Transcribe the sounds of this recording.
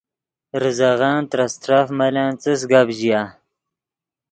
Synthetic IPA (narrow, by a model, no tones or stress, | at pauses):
ɾɨzaɣɑːnt̪ɾast̪ɾafmalaːnt͡sɨs̬ɡabʑijaː